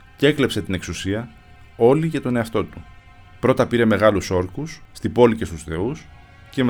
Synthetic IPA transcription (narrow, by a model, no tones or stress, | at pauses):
ce̞kle̞pse̞t̪ine̞ksusiɐ | o̞liʝɐt̪o̞ne̞ɐft̪o̞t̪u | pɾo̞t̪ɐpiɾe̞me̞ɣɐluso̞ɾkusːt̪ibo̞lice̞st̪usθe̞us | ce̞m